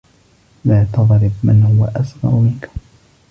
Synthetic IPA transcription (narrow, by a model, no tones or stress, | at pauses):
laːt̪ɑðˤɾɪbmɪnhʊwaʔasɣɑ̰ɾmɪnkʊm